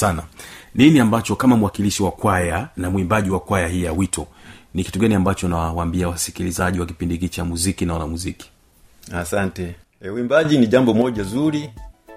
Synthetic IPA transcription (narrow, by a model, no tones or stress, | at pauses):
sananiniambat͡ʃɔkamam̩uwakiliʃiwakwajanamwimbaʄiwakwajaɦijawitʰɔniki̥tuɡaniambat͡ʃɔnawawaːmbiawasi̥kilizaʄiwaki̥pindikit͡ʃamuzikinaɔlamuziki̥ | asantɛ | ɛuimbaʄiniʄambɔmɔʄazuɾi